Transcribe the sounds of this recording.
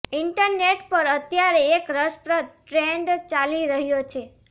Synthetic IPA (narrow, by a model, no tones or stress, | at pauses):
ɪɳʈəɾneʈpəɾət̪jaɾeːkɾəspɾət̪̚ʈɾeɳɖt͡ʃaliɾəɦjot͡ʃʰe